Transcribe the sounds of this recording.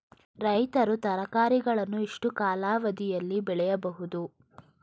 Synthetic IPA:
ɾɐjt̪ɐɾut̪ɐɾɐkaːɾiɡɐɭɐnːuiʂʈukaːlaːʋɐd̪ijɐlːibɛɭɛjɐbɐɦud̪u

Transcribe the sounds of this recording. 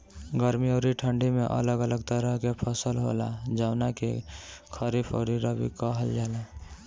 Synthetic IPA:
ɡəɾmioːɾiʈʰəɳɖimẽʔə̰ləɡələɡt̪əɾəɦkepʰəsəlɦo̰lad͡ʒəʊnakḛkʰəɾipʰo̰ɾiɾəbḭkəɦəld͡ʒaːla

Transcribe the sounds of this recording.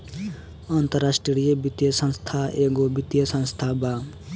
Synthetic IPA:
ant̪əɾasʈɾɾijəbit̪jəsʌ̃nst̪ʰaʔeɡobit̪jəsʌ̃nst̪ʰaba

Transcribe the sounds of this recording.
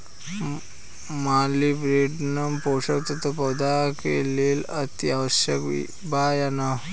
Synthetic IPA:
malibɾeɖnampowʂək̚t̪ət̪əpəd̪akḛleːlət̪iaʋəɕjək | bajana

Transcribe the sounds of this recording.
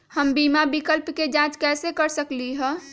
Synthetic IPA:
həmbimabikəlpked͡ʒãt͡ʃkɛːsekəɾsəkliɦɛ̃

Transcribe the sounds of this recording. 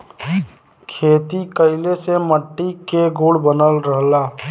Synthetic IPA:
kʰeːt̪ikəɪleseməʈːikeɡuːɽbənəlɾəɦlaː

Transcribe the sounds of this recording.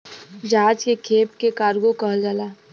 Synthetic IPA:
d͡ʒaːd͡ʒkekʰeːpkekaːɾɡokəɦəld͡ʒaːlaː

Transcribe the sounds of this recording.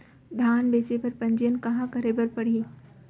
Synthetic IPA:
d̪ʱaːnbeːt͡ʃepɐɾpɐ̃ɲd͡ʒjənkɐɦãkɐɾebɐɾpɐɽ̤iː

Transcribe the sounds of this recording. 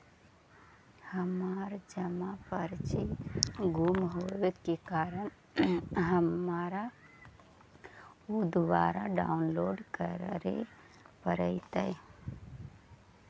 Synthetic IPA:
həmaɾd͡ʒəmapəɾt͡ʃiɡʱumɦoet̪kekaɾən | ɦəmaɾa | ud̪ʋaɾaɖa̰ʊnloɖkəɾɾḛ | pəɾəɪt̪ə

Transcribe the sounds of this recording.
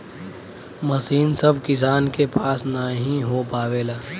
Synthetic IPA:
mɐsiːnsəbʱkɪs̬aːnkepaːsnaɦĩɦopaːʋeːlaː

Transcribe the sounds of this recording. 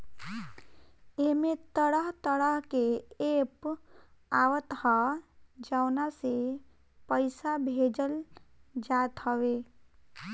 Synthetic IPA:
emet̪əɽəɦt̪əɾəɦkeep | awət̪həd͡ʒaʊnase | pəɪsabʱed͡ʒəld͡ʒat̪ɦəwe

